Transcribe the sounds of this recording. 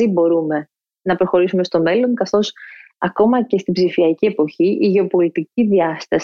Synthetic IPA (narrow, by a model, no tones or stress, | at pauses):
ibo̞ɾume̞ | nɐpɾo̞xo̞ɾisume̞st̪o̞me̞lo̞ŋkɐθo̞sɐko̞mɐce̞st̪ibzifiɐcie̞po̞çiʔiʝe̞opo̞lit̪iciðiɐst̪ɐs